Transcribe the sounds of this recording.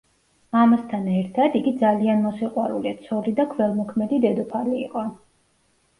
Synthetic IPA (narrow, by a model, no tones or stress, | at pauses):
amast̪ʰanɛɾt̪ʰad̪iɡid̪zalianmɔsiqʼwaɾulit̪sʰɔlid̪akʰvɛlˠmɔkʰmɛd̪id̪ɛd̪ɔpʰaliːqʼɔ